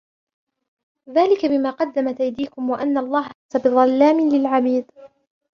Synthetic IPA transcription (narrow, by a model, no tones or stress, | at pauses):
ðaːlɪkabɪmaːqɑd̪ːamat̪ajd̪iːkʊmwaʔanːaʔɑlˤːɑːɦaasabɪðˤɑlːaːmɪlɪlʕabiːd̪